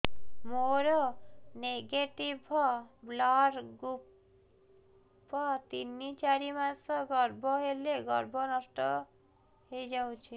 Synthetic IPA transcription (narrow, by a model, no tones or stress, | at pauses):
moɾɔneɡeʈibʱɔblaɾɡup | pɔt̪inːit͡ʃaɾimasɔɡɔɾbʱɔɦeleɡɔɾbʱɔnɔsʈɔ | ɦejd͡ʒaw̃t͡ʃʰi